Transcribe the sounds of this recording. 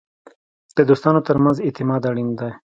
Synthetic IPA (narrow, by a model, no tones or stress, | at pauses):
d̪̥əd̪ost̪ɑnot̪əɾmanzɪt̪ɪmɑd̪aɽind̪aj